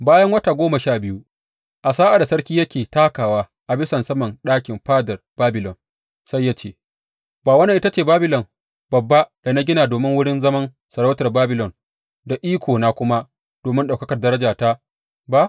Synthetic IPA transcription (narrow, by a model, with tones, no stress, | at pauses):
baː˦jɐ˦ŋwɐ˦taː˨ɡʷoː˦mɐ˨ʃaː˦bɪ˦ju˦ | ʔa˨saː˦ʔa˨da˨sɐ˦ɽkʲiː˦jɐ˦kʲeː˨taː˦kaː˨waː˦ | ʔa˨bɪ˦sɐ˨nsɐ˦mɐ˨nɗaː˦kʲɪ˨mɸaː˦dɐ˨rb̥aː˦bɪ˨lɔ˨n | sa˦jːaː˦t͡ʃḛː˦˨ | baː˨wɐ˦nːɐ˨ʔɪ˦ta˦t͡ʃeː˨baː˦bɪ˦lɔ˨m | bɐ˨bːa˦d̥a˨na˦ɡʲɪ˦naː˨doː˨mɪ˦ŋwʊ˦ɽɪ˦nzɐ˦mɐ˦n | sɐ˨ɽa˦wtɐ˨rbaː˦bɪ˨lɔ˨n | da˨ʔiː˦kʷoː˨naː˦kʷʊ˦ma˦ | d̥oː˨mɪ˦nɗa˨wkɐ˦kɐ˨rdɐ˦ɾɐ˦d͡ʒaː˨ta˦ | ba˦ʔ